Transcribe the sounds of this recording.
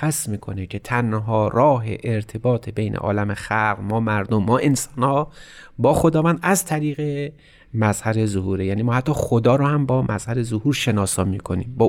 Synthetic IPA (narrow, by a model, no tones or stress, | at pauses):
æsmiːkʰo̞necʰe̞t̪ʰænɦɒːɾɒːɦḛʔeɾt̪ʰe̞bɒːt̪ʰebe̞jnʔḛʔɒ̰ːlæmexælqmɒːmæɾd̪omːɒːʔensɒnhɒːbɒːxod̪ɒːvænd̪æzt̪ʰæɾiːɣe | mæzhæɾe̞zohuːɾejæːniːmɒːhæt̪ːɒːxod̪ɒːɾohæmbɒːmʔæz̥hæɾe̞zohuːɾʃe̞nɒːsɒːmiːkʰo̞niːmbɒː